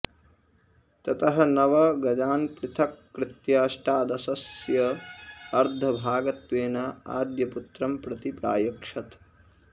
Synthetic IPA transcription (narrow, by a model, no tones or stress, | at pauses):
t̪ɐt̪ɐɦɐ̆nɐʋɐɡɐd͡ʒaːnpɾɪt̪ʰɐkːɾɪt̪jaːʃʈaːd̪ɐsɐsjɐɐɾd̪ʱɐbʱaːɡɐt̪ʋeːnɐa̰ːd̪jɐput̪ɾɐmpɾɐt̪ipɾa̰ːjɐkʂɐt̪